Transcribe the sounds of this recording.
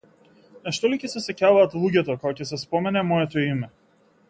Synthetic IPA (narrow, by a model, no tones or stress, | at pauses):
naʃt̪ɔlicɛsɛsɛcavaːt̪lˠuɟɛt̪ɔkɔɔcɛs̬ɛspɔmɛnɛmɔjɛt̪ɔimɛ